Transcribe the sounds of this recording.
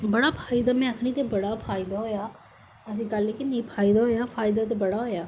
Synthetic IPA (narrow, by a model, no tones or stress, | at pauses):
bəɽaːpʰaːɪd̪aːmɛ̃ːəkʰɳit̪ebəɽaːpʰaːɪd̪aːɦoːjaː | əs̬ĩːkəlːekɪnẽpʰaːɪd̪aɦoːjaːpʰaːjɪd̪aːt̪̬ebəɽaːɦoːjaː